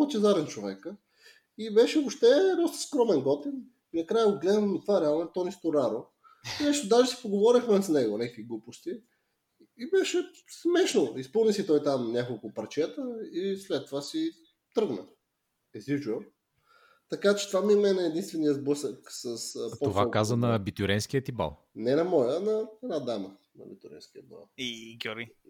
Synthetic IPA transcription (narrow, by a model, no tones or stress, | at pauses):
t͡ʃɛzaɾɛnt͡ʃovɛkə | ibɛʃɛopʃt̪ɛd̪ɔst̪ə̥skɾɔmɛnɡɔt̪in | inɐkɾajəoɡlɛd̪vəmit̪vaɾɛalˠnɛt̪ɔnist̪oɾaɾo | nɛʃt̪ʊd̪aʒɛsɛ̥poɡovɔɾixmɛsnɛɡonʲɛkviɡlˠupost̪iː | bɛʃɛ | smɛʃnoispɤlˠnisit̪ɔjt̪amnʲakolˠkʊpɐɾt͡ʃɛt̪əislɛt̪ːovasi | t̪ɾɤɡnə̰ | ɛzid͡ʒə | t̪ɐkat͡ʃɛ̥t̪vamimɛnɛːd̪inst̪vɛnijəzbɤsəksəsptɔovakazənɐbit̪uɾɛnskiət̪iba̰lˠ | nɛnɐmɔjənɐɛnad̪amə | nɐ̰bit̪uɾɛ̰nsk̟ʲiə̰ba̰lˠiɡʲuɾi